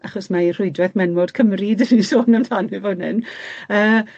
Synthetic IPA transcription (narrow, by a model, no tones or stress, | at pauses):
aχɔsmair̥ʊɨdrɛθmɛnmodkʰəmridənisoːnantʰaːnivɔdnɨ̰nəː